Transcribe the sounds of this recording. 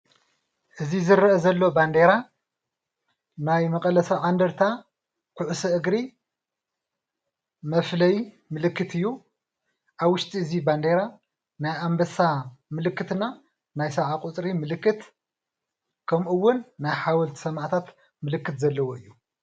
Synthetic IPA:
ʔɨzizɨɾɐʔɐzɐlːo̞band̪eɾa | najmɐkʼɐlɐsɐʕand̪ɐɾt̪ʰa | kʰuʕusɐʔɨɡɾi | mɐflɐj | mɨlɨkːɨt̪ʰɨjːu | ʔaβwʊʃt̪ʼiɨziband̪eɾa | najʔambɐsamɨlɨkːɨt̪ɨna | najsɐʕakʼut͡sʼɾimɨlɨkːɨt̪ | kʰɐmʔɨwːʊnːajħawɔlt̪sɐmaʕt̪ʰat̪ | mɨlɨkːɨt̪zɐlːɐwoɨjːu

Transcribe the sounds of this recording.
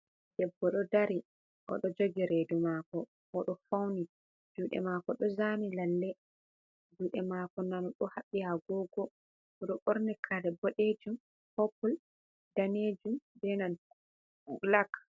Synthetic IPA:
d̥ɛbːɔɗɔdaɾi | ʔɔ̰ɗɔd͡ʒoɡiɾedumakɔ | ʔɔɗɔfawni | d͡ʒuːɗɛ̰maːkɔɗɔzanilalːɛ | d͡ʒuːɗɛmaːkɔnanɔɗɔhaɓːihaɡɔɡɔ | ɔɗɔʔoɾnɛkʰadɛbɔɗed͡ʒum | hɔpɔl | daned͡ʒumbɛnan | lak

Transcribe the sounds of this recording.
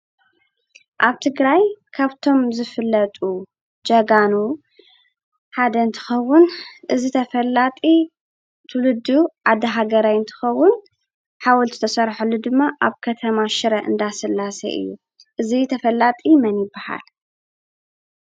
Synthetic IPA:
ʔaβt̪ʰɨɡɾajkʰaβt̪ʰo̞mzɨfɨlːɐt̪ʼu | d͡ʒɐɡanu | ħad̪ɐɨnt̪ʰɨ̥xɐwːʊnʔɨzit̪ʰɐfɐlːat̪ʼi | t̪ʰulɨd̪uʕad̪ɐɦaɡɐɾajɨnt̪ʰɨ̥xɐwːʊn | ħawɔlt̪ɨt̪ʰɐsɐɾħulːud̪ɨmːaʔaβkʰɐt̪ʰɐmaʃɨɾɐʔɨ̰nd̪asɨlːasɐ̰ʔɨ̰jːṵ | ʔɨzit̪ʰɐfɐlːat̪ʼimɐnjɪbːaha̰l

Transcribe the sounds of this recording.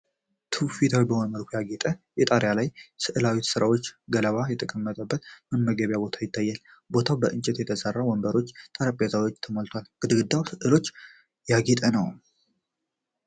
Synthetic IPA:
t̪ʰɨfit̪ʰawibəhonməlkʷʰjaɡet̪ʼəjɛt̪ʼaɾjalajsɨʔɨlawit̪sɨɾawo̞t͡ʃːɡələβajɛt̪ʼəkʼəmːət̪ʼəbːət̪mɨnməɡəβjabo̞t̪ʰajɪt̪ʰːajːal | bo̞t̪ʰawbəʔɨnt͡ʃʼɛt̪jɛt̪ʰəsʼərːawɔmbəɾo̞t͡ʃːt̪ʼəɾəpʼjasəβo̞t͡ʃːt̪ʰəmolt̪ʰwalkɨd̪ɨɡɨd̪ːawsɨʔɨlo̞t͡ʃː | jaɡet̪ʼənəw

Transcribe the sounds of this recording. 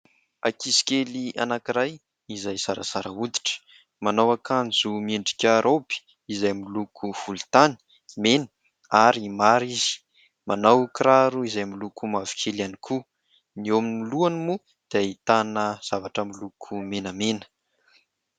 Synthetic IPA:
akʰiskʲelia̰nakiɾaj | izajzaɾə̰saɾəud̪i̥ʈ͡ʂə̥ | manawakʰand͡zumeɳɖ͡ʐi̥kʲaɾʔobi̥ | izajmilukʰufult̪ani̥ | menə̥ | aɾimaɾiz̥i̥ | manawkɾaɾuizajmilukʰumavi̥kʰelianikʰu | nioaminiluanimu | d̪̥eit̪anəz̥avaʈ͡ʂəmilukʰumenəmenə̥

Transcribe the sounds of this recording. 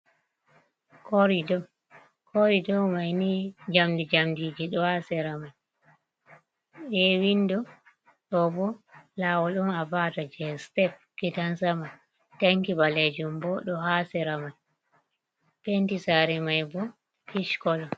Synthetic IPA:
kɔɾidɔ | kʰɔɾidɔmajnid͡ʒamdid͡ʒamdid͡ʒiɗɔhasɛɾamaj | ɛwindɔ | ɗɔbɔlawɔɗumavaːtad͡ʒɛstɛf̚kitansama | taŋkibaled͡ʒumbɔɗɔhasɛɾamaj | pentisaɾɛmajbɔ | kiʃkɔlɔ

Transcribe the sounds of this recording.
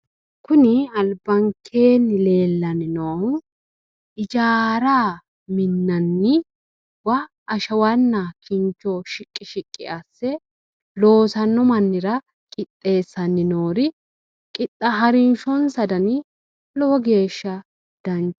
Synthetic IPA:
kʊnɪɐlbɐŋkʰːe̞ːnːɪle̞ːlːɐnɪnoː | ɪd͡ʒaːɾaː | mɪnːɐnːɪ | wɐ | ʔːʃɐwɐnːɐkɪnt͡ʃːɔʃɪkʼːɪʃɪkʼːɪ̰ʔɐsːɛ | lo̞ːsɐnːɔmɐnːɪɾɐ | kʼɪt̪ʼːe̞ːsːɐnːɪnoːɾɪ | kʼɪt̪ʼːɐɦɐɾɪnʃɔnsɐd̪ɐnɪ | lɔwɔɡe̞ːʃːɐ | d̪̥ɐnt͡ʃ

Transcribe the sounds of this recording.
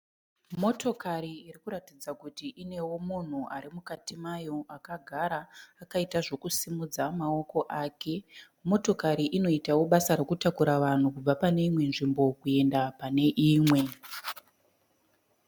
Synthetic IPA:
mo̞to̞kaɾiːrikuɾatid͡zakutiʔine̞wo̞mun̤ua̰ɾimukatimajo̞akaɡʱaɾaːkaitaʐo̞kusimud͡zamao̞ko̞ʔaːke̞ | mo̞to̞kaɾiʔino̞itawo̞ɓasaɾekutakuɾaʋan̤ukub͡vapane̞imwe̞nʐimbo̞kue̞ndapane̞ʔiːmwe̞

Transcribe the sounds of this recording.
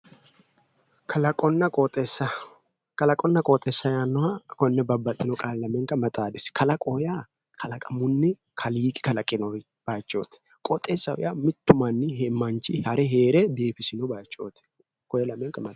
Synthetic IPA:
kʰɐlɐkʼɔnːɐkʼɔt̪ʼɛsːɐ | kɐlɐkʼɔnːɐkʼɔːt̪ʼːɛsːɐjanːɔwakɔnːɛbɐbːɐt̪ʼːɪnɔkʼaːllɐmɛŋkːɐmɐt̪ʼaːd̪ɪskɐlɐkʼɔja | kʰɐlɐkʼɐmʊnːɪ | kʰɐliːkʼɪ̥kɐlɐkʼːɪnɔ | b̥ajt͡ʃʼːo̰ːt̪ɛ̥ | kʼɔt̪ʼːesːɐwʊ̰jamɪt̪ːʊmɐnːɪɦɛmːɐnt͡ʃɪhɐɾɛɦeːɾɛbe̞ːfɪsɪnɔbaːjt͡ʃʼːo̰ːt̪ɛ̥ | kɔjɐlɐmːɛŋkɐmɐ

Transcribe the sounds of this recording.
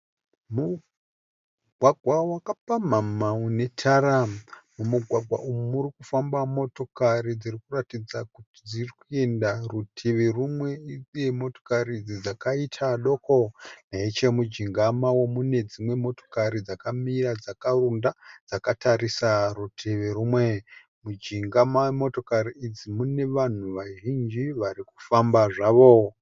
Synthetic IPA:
mu | ɡʱwaɡʱwawakapamamaune̞tʰaɾamumuɡʱwaɡʱwa̰ʔumumuɾikufambamo̞to̞kaɾid͡zirikuratid͡zakuti̥d͡zirikue̞ndarutʰiʋerumwe̞id͡zemo̞to̥karid͡zid͡zakaitʰaɗo̞koneit͡ʃe̞mud͡ʒiŋɡamawo̞mune̞d͡zimwe̞mo̞to̞̥kaɾid͡zakamirad͡zakarundad͡zakatʰarisarutʰeʋerumwe | mud͡ʒiŋɡamawemo̞to̞kaɾiːd͡zimune̞ʋan̤uʋaʒind͡ʒiʋariku̥fambaʐaʋo̞

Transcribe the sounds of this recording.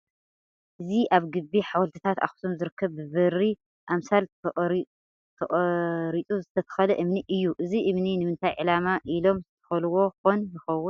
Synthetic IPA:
ʔɨziʔaβɡɨbːiħawɐlt̪ʰɨt̪ʰat̪a̰xu̥somzɨɾɨkʰːɐβːɨβɨri | ʔamsal | t̪ʰɐʔʼɾit͡sʼuzɨt̪ʰɐt̪ʰɐ̥xɐlɐʔɨmniʔɨjːuʔɨziʔɨmninɨmɨnt̪ʰajʕɨlamaʔilo̞mzɨt̪ʰɐ̥xɐluwo̞xonjɪxɐwːʊn

